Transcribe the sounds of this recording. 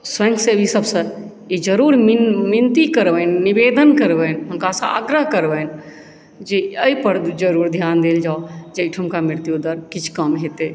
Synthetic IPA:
sʋə̃ŋkʰseisəbsə̃ | ed͡ʒəɾuːɾmmɪnt̪ikəɾʋənnibeːd̪ənkəɾʋənɦəmkasaa̰ɡɾəɦkəɾʋən | d͡ʒeəipəɾd͡ʒəɾuːɾd̪ʱjaːnd̪eːld͡ʒaːod͡ʒeɪʈʰəmkamɪɾt̪jud̪əɾkɪt͡ʃʰkəmɦet̪e

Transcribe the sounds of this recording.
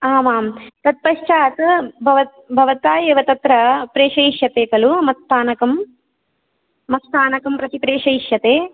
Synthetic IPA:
aːmaːmt̪ɐt̪̚pɐʃt͡ʃaːt̪bʱɐʋɐ | bʱɐʋɐt̪aːjeːʋɐt̪ɐt̪ɾɐpɾeːʂɐjʃjɐt̪eːkɐlumɐst̪aːnɐkɐm | ɐst̪aːnɐkɐmpɾɐt̪ipɾeːʂɐjʃjɐt̪eː

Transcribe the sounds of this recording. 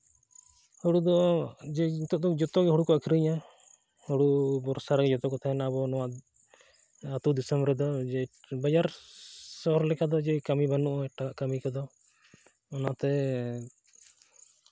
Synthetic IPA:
huɽud̪ɔd͡ʒɛt̪ɔʔd̪ɔd͡ʒɔt̪ɔɡɛɦuɽukɔʔakʰiɾəɲã | huɽubɔɾsaɾaɡɛd͡ʒɔt̪ɔkɔt̪ʰaɦɛnaaβɔnɔwa | at̪ud̪isɛmbɾɛd̪ɔd͡ʒɛbad͡ʒaɾsɔɦɔɾlɛkad̪ɔd͡ʒɛkamibanuʔɔʈakaʔkamikad̪ɔ | ɔnat̪ɛ

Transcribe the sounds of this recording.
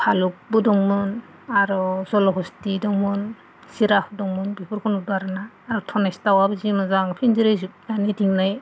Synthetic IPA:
pʰaluk̚budɔŋmɯn | aɾɔzɔlɔɦɔstidɔŋmɯn | siɾapʰudɔŋmɯnbipʰɯɾkʰɔnɔdaɾanaːɾɔtʰɔnajstawabɯzimazaŋpʰinziɾezujanidiŋnaj

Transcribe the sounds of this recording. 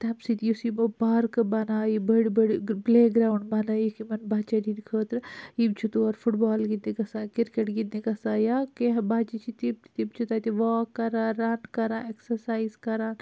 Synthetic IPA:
t̪ɐmsit̪ijusimopaːɾkbɐnaːibɐɽibɐɽibleːɡɾaːwɳɖbɐnaːjikimɐnbaːt͡ʃɐdinkʰəːt̪ɾibt͡ʃʰut̪oɐɾfʰuʈbaːlɡind̪ikɐsãːkiɾkeʈɡind̪ikɐsaːjaːkeɦbaːt͡ʃit͡ʃʰit̪ib̪̚t̪ibt͡ʃʰut̪aːt̪iʋaːkːɐɾãːɾanʈkɐɾãːeksɐɾsaːizkɐɾaːn

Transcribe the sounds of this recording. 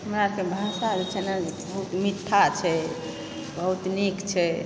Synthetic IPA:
həmɾakebʱasad͡ʒet͡ʃʰɛnad͡ʒebəɦut̪mit̪ʰːat͡ʃʰɛ | bəɦut̪nikt͡ʃʰɛ

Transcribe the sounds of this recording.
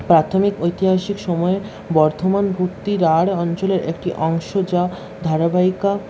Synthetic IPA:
pɾat̪ʰomikojt̪iɦaʃikʃɔmɔe | bɔɾt̪ʰomanbʱukt̪ːiɾaɽɔnt͡ɕoleɾḛkʈiʔɔŋʃod͡ʑa | d̪ʱaɾabaika

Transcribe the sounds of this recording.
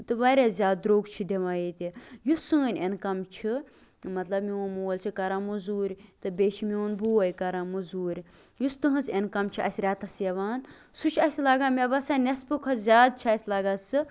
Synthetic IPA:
t̪ɨʋɐɾʲazʲaːd̪̚ɾoːɡt͡ʃʰid̪ʲeʋãːjet̪ʲijusɨːnʲenkɐmt͡ʃʰi | mɐt̪lɐbmiũnmuːɐlt͡ʃʰikɐɾãːmuzuːɾʲt̪ɨbʲet͡ʃʰimiunbuɐjkɐɾaːmuzuːɾʲ | just̪ɨɦɨzenkɐmt͡ʃʰiʔɐ̰sʲɾʲaːt̪ɐsjɐʋaːn | sut͡ʃʰɐsʲlaɡaːmʲebɐsaːnʲɐspukʰɐzʲjaːd̪̚t͡ʃʰiɐsʲlaːɡaːsɨ

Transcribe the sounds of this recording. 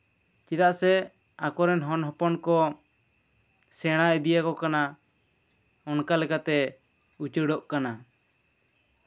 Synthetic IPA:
t͡ʃiɾaʔsɛ | akɔɾɛnɦɔnɦɔpɔnkɔ | sɛɽ̃aʔɛd̪ijakɔkana | ɔnkalɛkat̪ɛ | ut͡ʃəɖɔʔkana

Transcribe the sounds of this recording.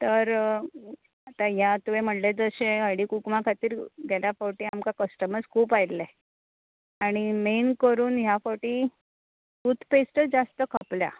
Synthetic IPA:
t̪əɾ | at̪aɦjat̪uʋem̤əʈled͡zəɕeəɽiːkukmakʰat̪iːɾɡeljafoʈiːamkakəsʈəməskʰuːpajle | aɽ̃imenkəɾuːnɦjafoʈĩ | sut̪pesʈ̪əd͡zast̪əkʰəplja̰

